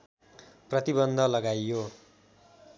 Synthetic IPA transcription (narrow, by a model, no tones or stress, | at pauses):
prʌt̪ibʌnd̪ʱʌlʌɡajjo